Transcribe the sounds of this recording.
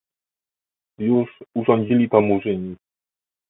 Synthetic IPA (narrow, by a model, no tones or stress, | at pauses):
juʂuʐɔɲd͡ʑilʲit̪amuʐɘɲi